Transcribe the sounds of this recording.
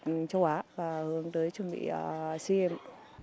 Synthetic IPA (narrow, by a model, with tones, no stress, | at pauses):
t͡ɕə˧˦wʔaː˨˦vaː˨˩hɨ˨˦əŋt̪əː˨˦jt͡ɕwə˨˩nɓḭ˧˨ʔəː˨˩si˧ʔɛ˧˩m